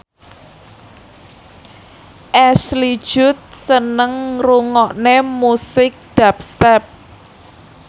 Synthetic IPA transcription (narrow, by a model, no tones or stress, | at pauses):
ʔɛsli̥ʒ̥ʊ̤t̪̚sənəŋruŋɔʔnemusɪk̚d̥ap̚st̪ɛp̚